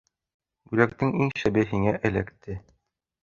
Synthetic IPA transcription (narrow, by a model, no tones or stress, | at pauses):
bʉlækt̪ɘŋiŋʃæbɘɦiŋæʔɘ̆læ̰kt̪ɘ